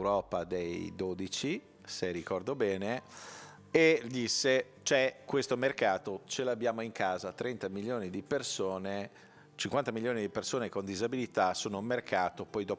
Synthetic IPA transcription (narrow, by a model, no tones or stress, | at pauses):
ɾɔːpad̪ejd̪oːd̪it͡ʃi | serikɔrd̪obɛːne | ed̪isːe | t͡ʃɛkwest̪omerkaːt̪ot͡ʃelabːjaːmoiŋkʰaːzat̪ɾɛnt̪amiljoːnid̪ipersoːne | t͡ʃiŋkwant̪amiljoːnid̪ipersoːnekond̪izabilit̪asoːnoummerkʰaːt̪opɔjd̪ɔː